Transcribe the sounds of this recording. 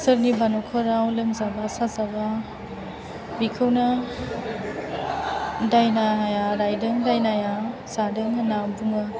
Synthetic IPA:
sɯɾnibʱanɔkʰɔɾawlɯmzabasazaba | bikʰɯwna | dajnajaɾajdɯŋdajnajasadɯŋanawbuŋɯ

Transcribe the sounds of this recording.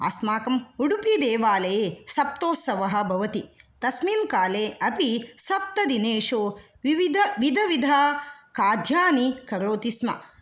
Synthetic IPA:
ɐ̰smaːkɐmuɽupid̪eːʋaːleːsɐp̚t̪oːsɐʋɐɦɐ̆bʱɐʋɐt̪it̪ɐsmiːnkaːleːɐpisɐp̚t̪ɐd̪ineːʂoː | iʋid̪ɐʋid̪ʱɐʋid̪ʱaːkaːd̪ʱjaːnikɐɾoːt̪ismɐ̰

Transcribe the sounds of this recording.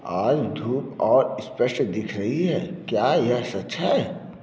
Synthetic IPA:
aːd͡ʒd̪ʱuːpɔːɾɪspəʃd̪ɪkʰɾɐɦiɦɛːkjaːjɐsɐtːʃʰaɦɛː

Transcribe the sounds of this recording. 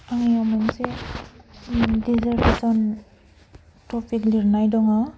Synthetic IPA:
aŋijamanse | dizaɾpasɔn | tɔpʰikliɾnajdɔŋa

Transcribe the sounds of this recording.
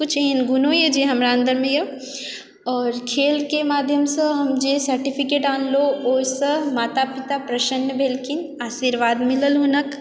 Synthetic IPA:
kʊt͡ʃʰeinɡʊnojed͡ʒiɦɐmɾaə̃nd̪əɾmẽje | ɔːɾkʰeːlkemaːd̪ʱjəmsəɦɐmd͡ʒesɐɾʈipʰikeːʈaːnlooːsəmaːt̪apit̪apɾɐʃənːəbeːlkinaːʃiːɾʋaːd̪mɪləlɦonək

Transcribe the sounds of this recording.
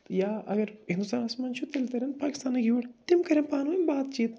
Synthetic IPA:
jaːʔɐ̰ɡɐɾɦĩnd̪ust̪aːnaːsmaːnt͡ʃʰut̪elt̪ɐɾenpaːkʲiɪst̪aːnɐɡiʋuɽt̪imkɐɾʲenpaːnʋmbaːt̪t͡ʃiːt̪

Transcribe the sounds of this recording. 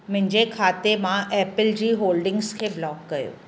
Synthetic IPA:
mɪ̃ɪ̃ɲd͡ʑekʰaːt̪emãʔɛːpəlɾiːɦoːlɖɪ̃ŋɡskʰeblɔːkːɐjo̰ː

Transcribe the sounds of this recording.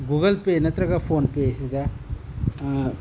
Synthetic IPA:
ɡuːɡɐlpeːnɐt̪ɾɐɣɐpʰoːnpeːsid̪ɐ

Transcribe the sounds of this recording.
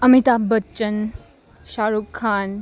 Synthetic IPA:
ɐmit̪abɐtən | ʃaːɾukʰːaːn

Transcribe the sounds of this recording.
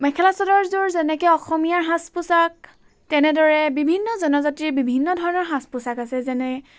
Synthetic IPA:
mɛkʰɛlasɔdɔɹzuɹzɛnɛkɛɔxɔmijaɹɦãspʊsak̚ | tɛnɛdɔɹɛbibʱinːɔzɔnɔzatɹibibʱinːɔdʱɔɹɔnɔɹɦãspʊsakasɛzɛnɛ

